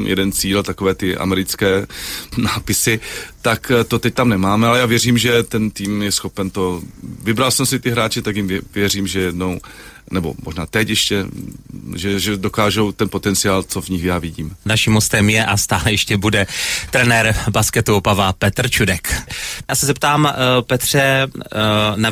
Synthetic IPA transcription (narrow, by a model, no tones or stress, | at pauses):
jɛ̰dɛnt͡siːlt̪akovɛːt̪ɪʔa̰mɛɾɪt͡skɛːnaːpɪsɪt̪akt̪ot̪ɛc̚t̪amnɛmaːmɛalɛjaːvjɛriːmʒɛt̪ɛnt̪iːmjɛsxo̞pɛnt̪ovɪbɾalsɛmsɪt̪ɪɦɾaːt͡ʃɪt̪akjɪmɛvjɛriːmʒɛjɛdnow | nɛbo̰mo̰ʒnaːt̪ɛcjɛʃcɛ | ʒɛʒɛdokaːʒowt̪ɛnpot̪ɛnt͡sɪjaːlt͡sovɲɪxjaːvɪɟiːmnaʃimɦost̪ɛmjɛʔast̪aːlɛjɛʃcɛbudɛt̪ɾɛnɛɾbaskɛt̪uopavapɛt̪r̩t͡ʃudɛkjaːsɛzɛpt̪aːmpɛt̪r̥ɛ | na